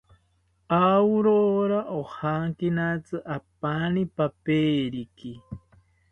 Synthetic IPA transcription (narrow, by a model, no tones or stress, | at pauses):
auɾoɾaʔohaŋkinat͡sɨʔapanipapeːɾiki